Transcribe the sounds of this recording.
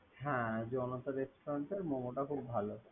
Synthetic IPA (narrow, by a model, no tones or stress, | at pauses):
ɦɛ̃d͡ʑɔnot̪aɾesʈoɾaɳʈeɾmɔmoʈakʰubbʱalo